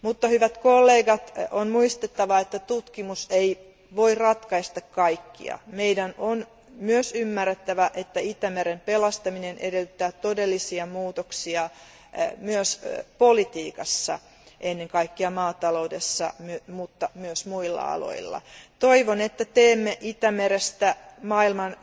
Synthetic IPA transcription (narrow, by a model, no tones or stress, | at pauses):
mut̪ːɑhyʋæt̪kolːeːɡɑt̪onmuist̪et̪ːɑʋɑet̪ːæt̪ut̪kimusei | ʋoirɑt̪kɑist̪ɑkkɑikːḭɑ̰meidænon | myøsymːærːet̪ːæʋæʔet̪ːæit̪æmeɾempelɑst̪ɑminenʔedelt̪ːæːt̪odelːisiɑmuːt̪oksiɑ | myøspolit̪iːkɑsːɑ̰ | ʔenːeŋkɑikːiɑmɑːt̪ɑloudesːɑ̰myømut̪ːɑmyøsmuilːɑ̰ɑ̰lo̰ilːɑ̰t̪oiʋonet̪ːæt̪eːmːeʔit̪æmeɾest̪æmɑːilmɑn